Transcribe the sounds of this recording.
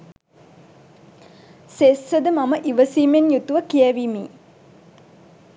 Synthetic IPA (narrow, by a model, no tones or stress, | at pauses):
seːsəd̪əmaməʔiʋəsiːmenjut̪uʋəkijæʋiːmḭː